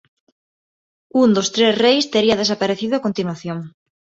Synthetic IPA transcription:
und̪ost̪ɾesrejst̪eɾiɐð̞esapaɾeθiðoakont̪inwaθjõŋ

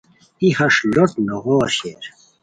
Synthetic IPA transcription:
ihɐʂlot̪noɣoːɕḛɾ

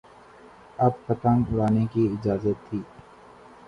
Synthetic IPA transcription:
ɐbfɐt̪əŋʊɾaːnekiɪd͡ʒaːzət̪ʰːiː

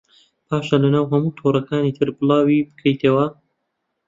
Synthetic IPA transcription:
pʰaːʃalɐnaːwɦɐmuːt̪ʰoːɾˤɐkaːniːt̪ʰɨɾbɨlaːwibɨ̥kʰɐjt̪ʰɐwɐ

